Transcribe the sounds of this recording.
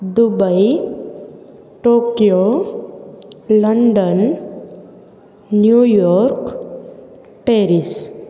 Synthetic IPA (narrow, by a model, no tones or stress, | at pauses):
d̪ubəi | ʈokjo | ləɳɖən | jujɔɾk | ʈeɾis